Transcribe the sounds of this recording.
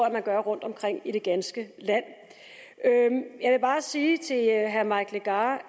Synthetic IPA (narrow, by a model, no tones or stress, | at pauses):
æmænɡ̥ɶɐʁɔ̽n̰d̥ɒ̽mkʰʁeŋ̰iɾ̥e̝ɡ̥ænsɡ̥əlæn̰ | øjɑ̈ɪʋe̝b̥ɑ̈ːsiːt͡sʰe̝lɦæɐmɑ̈ɪɡ̥leɡ̥ɑ̈ː